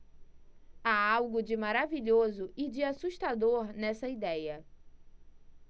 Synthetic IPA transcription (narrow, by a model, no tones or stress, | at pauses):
aawɡʊd͡ʒɪmaɾaviʎozʊʔɪd͡ʒɪasuʃt̪ad̪oɾnɛsɐid̪ɛjɐ